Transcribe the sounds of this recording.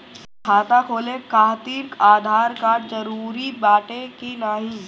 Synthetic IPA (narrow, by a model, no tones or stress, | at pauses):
kʰaːt̪akʰoːlekaːɦt̪iɾkaːd̪ʱaːɾkad͡ʒɐɾuːɾibaːʈekinaːɦi